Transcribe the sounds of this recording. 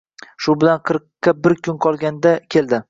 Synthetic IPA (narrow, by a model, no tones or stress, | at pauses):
ʃʊbɪlanqʰɨɾqːɑbɪɾkʰʊnqʰɒlˠɡʲand̪akʲʰe̞ld̪ɪ